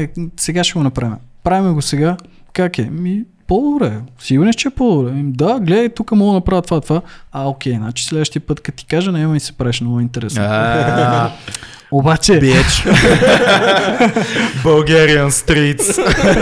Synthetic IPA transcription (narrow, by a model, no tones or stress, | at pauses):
ɛsɛɡaʃɛɡonɐpɾavimɛpɾavimɛɡosɛɡa | kakɛmipɔd̪obɾɛsiɡʊɾnɛʃt͡ʃɛɛpɔd̪obɾɛd̪aɡlɛd̪əjt̪ukəmɔlˠonɐpɾavt̪ovaət̪ovaɐokʲɛjnat͡ʃɛ̥slɛd̪vəʃt̪iəpɤt̪kɐt̪i̥kaʒənɛmɐisɛ̥pɾavɛʃmnɔɡʊint̪ɛɾɛsno | obat͡ʃɛɛt͡ʃ | bɐlˠɡɛɾiənst̪ɾit̪s